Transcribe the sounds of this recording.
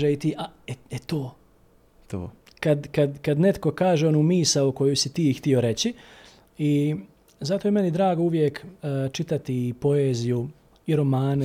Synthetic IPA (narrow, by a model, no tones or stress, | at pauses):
eit̪iːʔaeet̪oː | t̪o̰ː | kad̪kad̪kad̪ne̞t̪ko̞kaːʒeonumiːsauko̞jusit̪iːxt̪io̞ɾe̞t͡ɕi | i | zat̪oːjeme̞nid̪ɾaːɡouʋjeːkːt͡ʃit̪at̪ipo̞eːziju | iɾo̞maːn